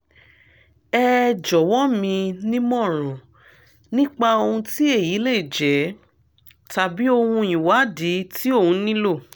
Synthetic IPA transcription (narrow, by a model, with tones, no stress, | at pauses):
ɛ˦d͡ʒɔ˨wɔ˦mĩ˧nĩ˦mɔ̃˦˨ɾ̃ɔ̃˨ | nĩ˦k͡pa˧o˧hũ˧ti˦e˦˨ji˨˦le˦˨i˨d͡ʒɛ˨˦ | ta˨bi˦o˧hũ˧ĩ˨wa˨˦di˨˦ti˦o˦˨hũ˨˧˦nĩ˦lo˦˨